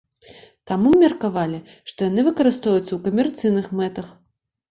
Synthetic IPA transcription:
t̪amumʲɛrkavalʲi | ʂt̪ɔjanɨvɨkɐɾɨst̪ɔjut̪sːɐwkɐmʲɛrt̪sɨjnɨxmɛt̪ɐx

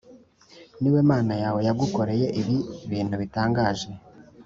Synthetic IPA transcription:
niwe̞maːnajaːwe̞jaɡuko̞ɾe̞je̞ʔiβiβiːnhuβitaːŋɡaːʒe̞

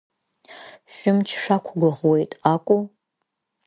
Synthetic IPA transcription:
ʃʷᶣʊmt͡ʃʰʃʷᶣakʷʰɡʷʊʁwejtʼakʷʼo

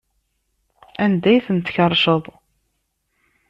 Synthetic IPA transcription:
ænd̪æjθənt̪çəɾˤʃəðˤ

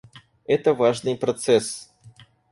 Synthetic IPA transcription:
ɛt̪əvaʐnɨjpɾɐt̪sɛs

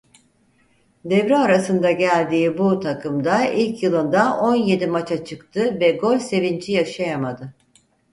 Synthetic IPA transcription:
d̪ɛvɾɛaɾasɯnd̪aɟælʲd̪iːbut̪ʰakʰɯmd̪ailʲcjɯlˠɯnd̪aʔo̞nje̞d̪imat͡ʃʰat͡ʃʰɯkt̪ʰɯvɛɡo̞lʲse̞vind͡ʒijaʃajamad̪ɯ

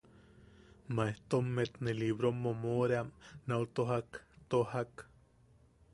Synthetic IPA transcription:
maeht̪omːet̪neliβɾomːomoɾeamnaut̪oɦakt̪ohak

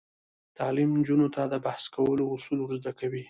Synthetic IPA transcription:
t̪ɑlimnd͡ʒunot̪ad̪əbahskawəloʊsulwɾuzd̪akawi

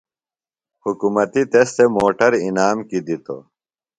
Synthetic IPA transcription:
hukumɐt̪it̪est̪emoːʈɐɾinaːmkid̪it̪o̰

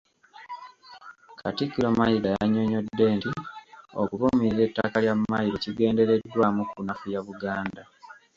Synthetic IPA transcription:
kʰatikːiɾomajidajaɲo̞ɲo̞dːe̞ːntio̰kuβomiize̞ːtːakaljammajiɾo̞ciɡe̞ːnde̞ɾe̞dːwaːmukunafujaβuɡaːnda

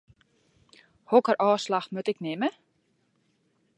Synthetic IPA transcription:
howkaɾʔawslaxt̪mœt̪ɛknɪːmɪ

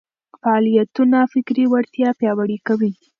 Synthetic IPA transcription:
faɑlijat̪unafɪkɾiwaɾt̪jɑpjɑwaɽikawi

